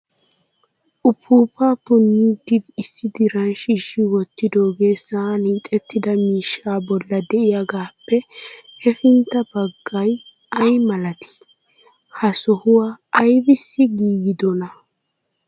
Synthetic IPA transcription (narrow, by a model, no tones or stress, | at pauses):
ʔʊpʰːuːpaːpʊnːiːd̪ɪd̪ɪːsːɪd̪ɪɾɐnʃɪʃːɪwɔt̪ːɪd̪o̞ːɡe̞ːsaːniːt̪ʼɛt̪ːɪd̪ɐmiːʃːaːbɔlːɐd̪ɛʔɪjaɡaːpːɛhɛfɪnt̪ːɐbɐɡːɐj | ɐjmɐlɐt̪ɪ̥ | hɐsɔhʊwaːjbɪsːɪɡiːɡɪd̪ɔnɐ